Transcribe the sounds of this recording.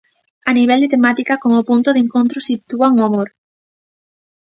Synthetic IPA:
aniβ̞ɛld̪ɪt̪emat̪ikakomʊpunt̪ʊðeŋkont̪ɾʊsit̪uaŋoamoɾ

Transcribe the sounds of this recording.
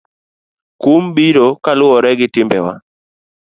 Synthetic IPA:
kumbiɾokalʊɔɾɛɡɪtɪmbɛwa̰

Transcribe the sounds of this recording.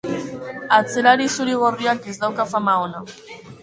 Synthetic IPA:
at͡selaɾisuɾiɣorjakizðawkafamaona

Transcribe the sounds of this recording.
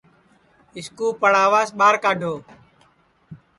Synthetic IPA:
ɪskuːpəɽaːʋaːsɓaːɾkaːɖʱoː

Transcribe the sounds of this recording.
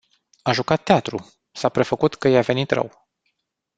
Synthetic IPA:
aʒukat̪ːeat̪ɾu | sapɾe̞fəkut̪kəjeave̞nit̪rə̰w

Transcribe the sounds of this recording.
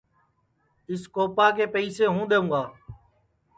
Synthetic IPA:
ɪskoːpaːkeːpəiːseːɦũːd̪eːũːɡaː

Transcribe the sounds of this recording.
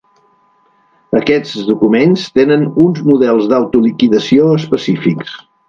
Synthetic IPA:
əkɛd͡zðukumenst̪enənunzmuðɛlˠzðawt̪ulikiðəsioəspəsifiks

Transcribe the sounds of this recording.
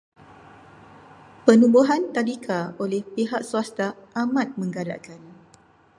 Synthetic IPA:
pənũbuɦant̪alikʰaolɛhpiɦaʔsuast̪aamãt̪̚mə̃ŋɡala̰ʔkan

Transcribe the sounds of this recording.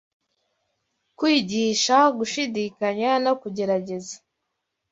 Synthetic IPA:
kwiːɟiːʃaɡuʃidikaɲanokuɟe̞ɾaɟe̞zḁ

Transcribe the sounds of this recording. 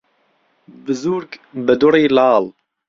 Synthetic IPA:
bɨzuːɾkbɨd̪ʊriːlɑːl

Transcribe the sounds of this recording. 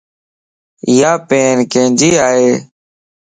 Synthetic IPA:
ɪjaːpeːnkẽːd͡ʒiːaːɦeː

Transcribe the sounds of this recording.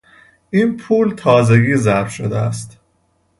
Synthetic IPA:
iːnpʰuːlt̪ʰɒːze̞ɡiːzæɾfʃod̪eæ̰st̪

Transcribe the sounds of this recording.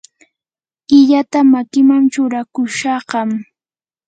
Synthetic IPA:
ɪʎat̪amakɪmaŋt͡ʃʊɾakʊʃɑɢɑm

